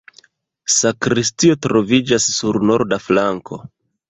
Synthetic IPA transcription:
sakɾistio̞tɾo̞vid͡ʒasːuɾno̞ɾdaflaŋkʰo̞̰

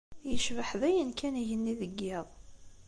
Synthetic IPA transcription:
jəʃvəħðæjənkæniʝənːiðəɡːeðˤ

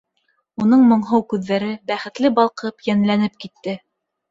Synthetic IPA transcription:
un̪ɤɴmŏɴɦɤwkʉðːæɾɘbæχɘ̆t̪lɘbɑlˠqɤpjænlænɘp̚kit̪ːɘ

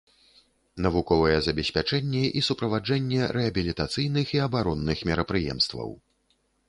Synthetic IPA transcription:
nɐvukɔvɐjɛzɐbʲɛsʲpʲat͡ʂɛnʲːɛʔisupɾɐvad͡ʐɛnʲːɛɾɛɐbʲilʲit̪at̪sɨjnɨxiɐbaɾɔnːɨxmʲɛɾɐpɾɨjɛ̰mst̪vɐ̰w

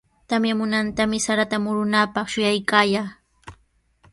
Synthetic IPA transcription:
t̪amjamʊnant̪amɪsaɾat̪amʊɾʊnapɑχʃʊjajkaːjaː

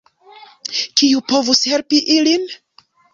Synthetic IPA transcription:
kiupo̞vushe̞lpiʔilin

